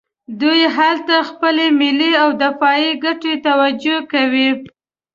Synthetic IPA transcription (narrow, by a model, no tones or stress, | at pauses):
d̪ujɦalt̪axpəlemɪliawd̪ɪfɑiɡaʈet̪awad͡ʒokawi